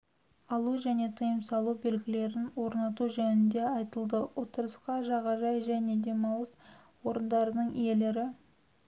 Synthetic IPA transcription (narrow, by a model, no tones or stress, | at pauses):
ɑlˠuʒæne̞t̪ʰəjəmsɑlˠube̞lɡʲɪle̞ɾɪnwo̞ɾnɑt̪uʒɵnɪnd̪e̞ɑjt̪əlˠd̪əwo̞t̪əɾəsqɑʒɑʁɑʒɑjʒæne̞d̪e̞mɑwlˠəs | wo̞ɾənd̪ɑɾənəɴije̞leɾɪ